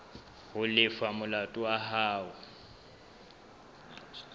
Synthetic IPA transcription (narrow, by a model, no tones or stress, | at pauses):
hʊlɪfamʊlatʼʊaɦaːʊ